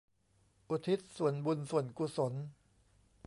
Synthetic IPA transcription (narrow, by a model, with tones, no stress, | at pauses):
ʔu˨˩t̪ʰi˦˥t̪̚su˨˩ənbu˧nsu˨˩ənku˨˩so˩˦n